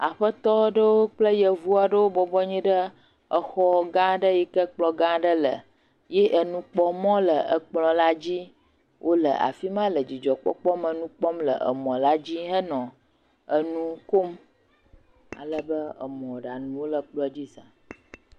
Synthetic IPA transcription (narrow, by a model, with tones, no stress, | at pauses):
a˨ɸə˦t̪ɔ˦ɖə˦wo˦k͡plə˦jə˨vu˦a˨ɖə˦wo˦bɔ˦bɔ˦ɲĩ˦ɖə˦ | ə˨xɔ˦ɡã˦ɖə˦ji˦kə˦k͡plɔ˨ɡã˦ɖə˦lə˨ | je˦ʔə˨nũ˦k͡pɔ˦mɔ̃˦lə˨ə˨k͡plɔ̃˨la˦d͡ʑi˦ | wʔo˦lə̰˨ʔa̰˨fi˦mã˦lə˨d͡ʑi˨d͡ʒɔ˨k͡pɔ̰˦k͡pɔ˦mə˨nũ˦k͡pɔ˦mlə̰˨ʔə̰˨mɔ̃˨la˦d͡ʑi˦ɦə˦nɔ̃˨ | ə˨nũ˦ko˦m | a̰˨lə˦bə˦ə̰˨mɔ̃˨ɖa˨nũ˨wo˦lə˨k͡plɔ˦d͡ʑi˦sã˨